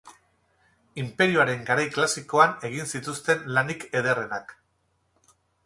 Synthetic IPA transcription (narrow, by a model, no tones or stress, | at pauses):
impe̞ɾioaɾe̞ŋɡaɾajklasiko̞ane̞ɣ̞insit̪ust̪e̞nlanike̞ðe̞re̞nak